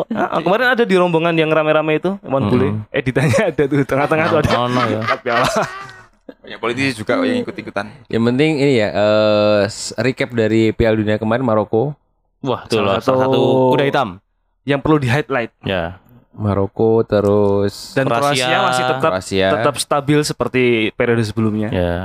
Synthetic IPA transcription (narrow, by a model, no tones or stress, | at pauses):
aʔkəmaɾɪnadadiɾɔmboŋanjaŋramɛɾamɛt̪ṵmanbulɛḛdit̪aɲaːdat̪ut̪əŋat̪əŋat̪uadanapiala | japolit̪isd͡ʒuɡajaŋikʊt̪ikut̪anjʔa̰ŋpənt̪ɪŋinijaʔəsrikɛp̚daɾipialduniakəmaɾɪnmaɾoko | uaht̪ulɔat̪asat̪ukudaɦit̪am | jaŋpərludiɦaɪt̪̚laɪt̪̚ja | maɾokot̪əɾʊsdanɾaɾoasiamasɪht̪ət̪aɾa̰siat̪əap̚st̪abɪlsəpərt̪ipeɾiods̬əbəlumɲaja